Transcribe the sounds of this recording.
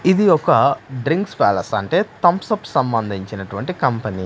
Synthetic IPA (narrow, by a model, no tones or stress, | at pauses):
id̪iɔkɐɖɾiŋkspaːlɐsɐɳʈe̞ːt̪ɐmpsɐpsɐmbɐnd̪ʱiɲt͡ʃinɐʈuʋɐɳʈikɐmpɐnḭː